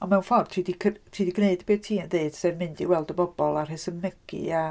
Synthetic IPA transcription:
ɔnmɛwnfɔrtʰriːdikʰtʰriːdiɡneɨdbeːtʰiːnðeɨd̥sevmɪndiwɛlˠdəbɔbɔlˠarɦɪsənmɪɡ̥ḭa

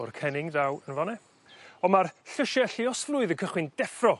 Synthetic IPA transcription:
ʊrkʰɛnɪŋðawənvɔnɛ | ɔmarɬəʃɛɬɪɔsflˠʊɨðənkʰəχwɪnd̥ɛfrɔ

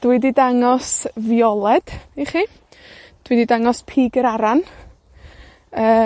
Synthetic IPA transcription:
d̥wɪdidaŋɔsvjɔlˠɛd̥iχi | d̥wɨdidaŋɔspʰiːɡəɾaɾan | əː

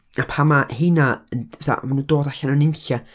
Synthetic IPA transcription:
apʰamahɪnaənɛθa̰manuːdoːdaɬananɪnɬa

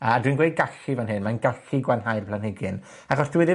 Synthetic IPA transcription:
əadwinɡwejdɡaɬivanhɨnmanɡaɬiɡwanɦajrpʰlanhɪɡɨn | aχɔsd̥ɪwɛdɪ

